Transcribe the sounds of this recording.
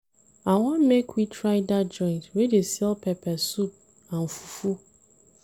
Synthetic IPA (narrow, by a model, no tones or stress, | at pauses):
awɔ̃nmekʰwitʰɾaɪdad͡ʒɔ̃ɪ̃ntwedesɛlpʰɛpʰɛsup̚ | ãm̩fu̥fu